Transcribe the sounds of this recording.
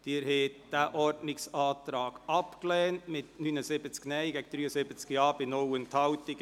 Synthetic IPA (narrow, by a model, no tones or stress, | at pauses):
d̥iːɾhɛːtd̥æːʔɔɾtnɪksɑːtɾɑːɡ̥ɑpklɛːntmɪtnyːnəsɪbət͡sknɛɪɡɛɡəd̥̪ɾyːəsɪbət͡skjɑːbɪnɔwəntʰɑwt̪ɪɡ